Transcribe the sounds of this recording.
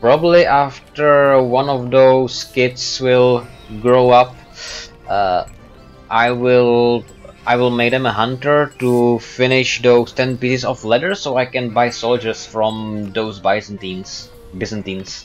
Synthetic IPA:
pɹɑbəbliʔæftə˞wʌ̃nɔvðoʊskɪtswɪlˠɡɹoʊʌp̚ | ʔaɪwɪlˠ | ʔaɪwɪlˠmeɪk̚d̪ɛ̃məɦʌ̃ntə˞tufɪnɪʃðoʊz̥tʰɛ̃npisɪzɔflɛɾə˞soʊaɪkɛ̃nbaɪsoʊlˠd͡ʒə˞sfɹɔ̃mðoʊzbaɪsntĩns | bɪsə̃ntĩns

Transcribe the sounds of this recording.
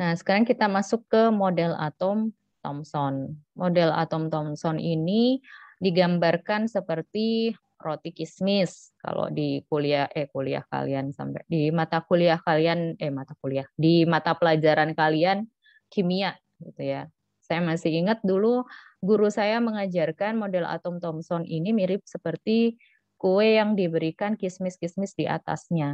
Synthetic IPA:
nasə̥kaɾaŋkit̪amasʊkːəmodɛla̰t̪ɔm | t̪ɔmsɔnmodɛla̰t̪ɔmt̪ɔmsɔnʔinidiɡambarkansəpərt̪i | rot̪ikismɪska̰lo̰dikuliahɛkulia̰hka̰liansa̰mpɛ̰dimat̪akuliahkalianɛmat̪akuliahdimat̪apəlad͡ʒaɾankalian | kimia | ɡit̪uja | sajamasɪhiŋət̪̚dulu | ɡuɾusajaməŋad͡ʒarkanmodɛla̰t̪ɔmt̪ɔmsɔnʔinimiɾɪp̚səpərt̪i | kuwejaŋdibəɾikankismɪskismɪsdiʔa̰t̪a̰sɲa

